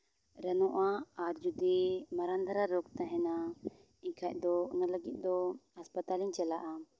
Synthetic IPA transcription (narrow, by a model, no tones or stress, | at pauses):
ɾɛnɔʔaːɾd͡ʒud̪imaɾand̪ʱaɾaɾɔkt̪aɦɛna | iɲkʰaʔ̚d̪ɔɔnaləɡit̪̚ˀd̪ɔhaspat̪aliɲt͡ʃɛlaʔa